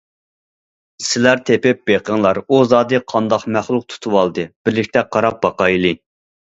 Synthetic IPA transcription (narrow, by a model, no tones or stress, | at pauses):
sɪlæɾt̪ʰepɪp̚b̥eqʰəŋlˠɑɾuzɑːd̪ɨqʰɑnd̪ɑqmæχlˠuq̚t̪ʰu̥t̪ʰuwɑlˠd̪ɨb̥ɪɾlɪkʲt̪ʰɛqʰɑɾɑp̚bɑqɑjlˠɨ